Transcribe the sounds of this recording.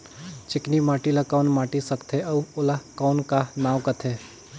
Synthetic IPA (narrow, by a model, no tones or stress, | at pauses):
t͡ʃɪknimaːʈilakaːnmaːʈisɐkt̪ʰeʔɐwʊlakaːnkanaːwkət̪ʰeː